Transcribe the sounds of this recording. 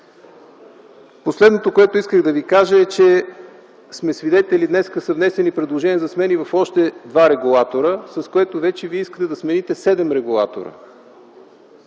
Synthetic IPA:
poslɛd̪not̪okoɛt̪oiskəɣd̪ɐvikaʒəɛt͡ʃɛ | smɛsvid̪ɛt̪ɛlid̪nɛskəsəvnɛsɛnipɾɛd̪lˠoʒɛniəzɐsmɛnivɐfɔʃt̪ɛd̪vaɾɛɡulˠat̪oɾəsɐskoɛt̪ovɛt͡ʃɛviɛiskə̥t̪ɛd̪ɐsmɛnit̪ɛsɛd̪ɛmɾɛɡulˠa̰t̪o̰ɾə̰

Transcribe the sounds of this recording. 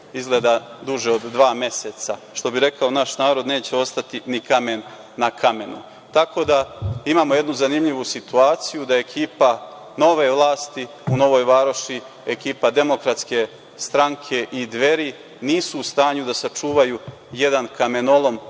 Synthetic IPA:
izɡle̞d̪ad̪uʒeo̞d̪ːʋaːmje̞se̞t̪saʃt̪o̞biɾe̞kaonaʃnaːɾo̞d̪neːt͡ɕe̞o̞st̪at̪inikamenː | akʰame̞nṵ | t̪ako̞d̪aimaːmoje̞d̪nuzanimʎiʋusit̪uaːt̪sijud̪ae̞kʰiːpa | no̞ʋe̞ʋlˠaːst̪i | uno̞ʋo̞jʋaːɾo̞ʃi | ekiːpad̪e̞mo̞kɾat̪ske̞ | st̪ɾaŋkʰe̞ʔid̪ʋe̞ɾi | niːsuːst̪aːɲud̪asat͡ʃuːʋaju | je̞d̪ankame̞no̞lˠo̞m

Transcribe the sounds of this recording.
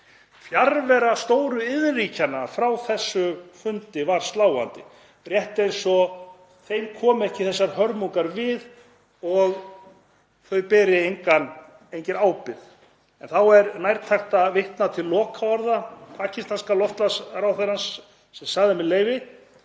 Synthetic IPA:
fjaɾvɛɾast̪oːwɾʏɪðricanaɾ̥fɾawθɛsːʏfʏnt̪ɪvaɾ̥st̪laːwa̰nt̪ɪ | rjɛht̪ɪejnsɔ | θejmkʰɔːmʏɛhcɪθɛsːaɾ̥hœɾmuŋkaɾvɪð | ɔɣ | θœɥpɛːɾɪejŋkan | ejɲcɪɾaːwpɪð | ɛnθawɛɾnajɾt̪ʰaxt̪avɪht̪nat̪ʰɪlːɔːkʰaaɾðapʰaːcʰist̪anskalɔft̪lasɾawθeɾansː | ɛmsaɣðɪmɪleːjvɪ

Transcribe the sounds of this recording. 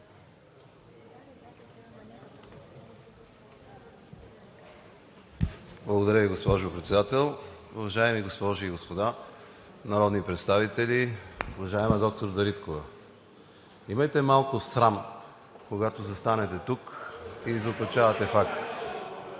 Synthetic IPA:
blˠɐɡod̪ɐɾʲjəviɡospɔʒʊpɾɛt̪sɛd̪at̪ɛlˠʊvɐʒaɛmiɡospɔʒiːɡospod̪a | nɐɾɔd̪nipɾɛt̪st̪avit̪ɛliʊvɐʒaɛməd̪ɔk̚t̪oɾd̪ɐɾit̪kovɐ | imɐjt̪ɛmalˠkʊsɾam | koɡat̪ozɐst̪anɛt̪ɛt̪ukizopɐt͡ʃavɐt̪ɛfakt̪i̥t̪ɛ̥

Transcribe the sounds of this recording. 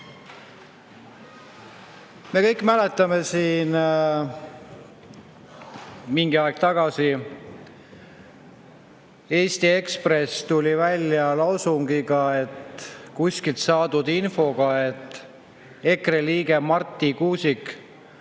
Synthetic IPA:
me̞kɤ̞jkːˑmæle̞t̪ːˑɑme̞siːn | miŋɡiɑeɡ̥̚t̪ɑɡ̥ɑsi | e̞ːst̪ie̞kspre̞st̪ulʲivælʲjɑlɑwsuŋɡ̥iɡɑet̪kusʲkilt̪sɑːd̪ud̪̥info̞ɡ̥ɑe̞t̪ːˑ | e̞kreliːɡe̞mɑrt̪ːˑikuːsik

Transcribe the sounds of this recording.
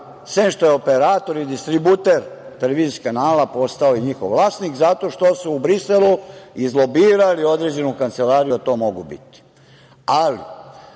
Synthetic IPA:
sʋenʃt̪o̞jeopeɾaːt̪o̞ɾid̪ist̪ɾibut̪eɾt̪eleʋiːziskanaːlapo̞st̪aojiɲixo̞̰ʋʋlˠaːsnikzat̪o̞ʃt̪o̞suːbɾiseluizlo̞biːɾalio̞d̪ɾe̞d͡ʑenukant̪se̞laːɾijud̪at̪o̞ːmo̞ɡubḭt̪i̥ | alḭ

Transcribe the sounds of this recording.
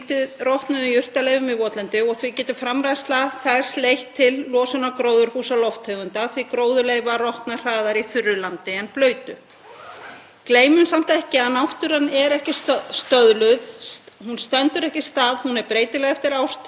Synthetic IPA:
t̪ɪðrɔht̪nʏðʏjʏr̥t̪alejvʏmɪvɔt̪lɛnt̪ɪɔɣθvicɛːt̪ʏ̥fɾamɾajst̪laθɛ̥slejht̪ʰːɪlːɔːsʏnakɾoːwðʏɾ̥huːsalɔft̪heːɣʏnt̪aθvikɾoːwðʏleːjɣvarɔht̪nar̥aːðaɾiθʏrːʏlant̪ɪɛnplœːɥt̪ʏ | kleːjmʏnsam̥t̪ɛhcɪaðnawht̪ʏɾ̥hanːɛɾɛhcɪsst̪œðlʏðhunst̪ɛnt̪ʏɾɛhcɪst̪aːðhunɛɾpɾeːjt̪ɪlɛɣɛft̪ɪɾaːwst̪

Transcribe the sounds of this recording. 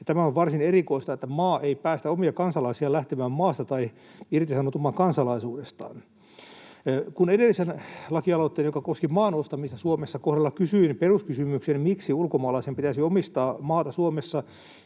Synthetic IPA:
jɑt̪æmæoʋʋɑrsinerikoist̪ɑet̪ːæmɑːʔeipæːst̪æomiɑkɑnsɑlɑisiɑlæht̪emæːmmɑːst̪ɑt̪ɑi | irt̪isɑnot̪umːɑːkɑnsɑlɑisuːdest̪ɑ̰ːn | kunedelːisenlɑkiɑlot̪ːeːnjokɑkoskimɑːnost̪ɑmist̪ɑsuomesːɑkohdɑlːɑkysyinperuskysymyksenmiksiulkomɑːlɑisempit̪æsiomist̪ɑːmɑːt̪ɑsuomesːɑ

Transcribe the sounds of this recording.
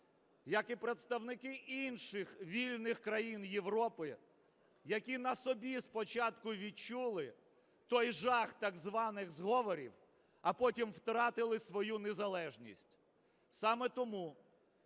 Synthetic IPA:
jɐkipɾet̪st̪ɐwnɪkɪʔinʃɪxʋʲilʲnɪxkɾɐjinjeʋɾɔpɪ | jɐkʲinɐsɔbʲispɔt͡ʃɑt̪kʊʋʲit͡ʃulˠɪ | t̪ɔjʒɑxt̪ɐɡzʋɑnɪɣzɦɔʋɔɾʲḭw | ɐpɔtʲimwt̪ɾɑt̪ɪlˠɪsʋɔjunezɐlˠɛʒnʲḭsʲtʲ | sɑmɛt̪ɔmu

